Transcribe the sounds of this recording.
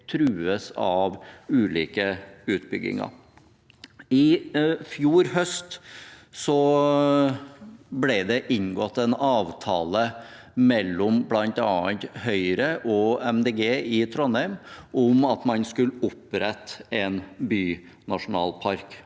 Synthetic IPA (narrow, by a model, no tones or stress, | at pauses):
t̪ʰɾʉːəsɑʋʉːlḭːkəʉːt̪bʏɡːɪ̰ŋɑ̰ | ɪfjuːɾɦœst̪sɔ | blɛd̪ɛʔɪŋɡɔt̪ːɛnɑːʋt̪ʰɑːlə | mɛlːɔmblɑnt̪ɑːənt̪hœʏɾəʔɔɛmd̪eːɡeːɪt̪ʰɾɔnhæʏmʊmɑt̪mɑnskʉləʊpɾɛt̪ːɛnbyː | nɑʂʊnɑ̰ːlpʰɑɾk